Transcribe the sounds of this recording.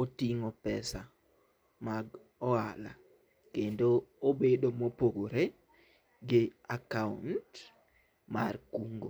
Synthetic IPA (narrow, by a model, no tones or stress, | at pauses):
otiŋopɛsa | maɡ | ɔala̰ | kendoobedomopoɡoɾe | ɡɪakaṵnt | ma̰rkuŋɡo̰